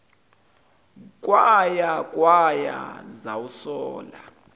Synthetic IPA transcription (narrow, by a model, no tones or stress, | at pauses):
kʼwajakʼwaja̰zawusɔːla